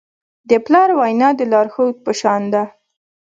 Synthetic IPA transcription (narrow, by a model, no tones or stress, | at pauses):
d̪əplɑɾwajnɑd̪əlɑɾxowt̪̚pəʃɑnd̪a